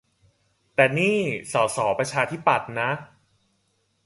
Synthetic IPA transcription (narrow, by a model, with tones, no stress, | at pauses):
t̪ɛː˨˩niː˥˩sɔː˩˦sɔː˩˦pɾa˧t͡ɕʰaː˧t̪ʰi˦˥pːa˨˩t̪̚na˦˥ʔ